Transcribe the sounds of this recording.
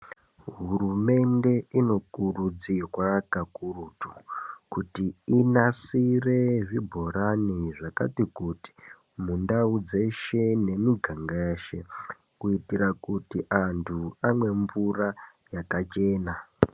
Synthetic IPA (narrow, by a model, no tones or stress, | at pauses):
ɦurume̞nde̞ino̞kurud͡ziwakakurutu̥kutiinasire̞ʐibʱo̞ɾaniʐaka̰tikuti̥ | mundaud͡ze̞ʃe̞ne̞miɡʱaŋɡaʃḛ | kuitiɾakutiʔantʰuamwe̞ɱvura | jakat͡ʃe̞ːna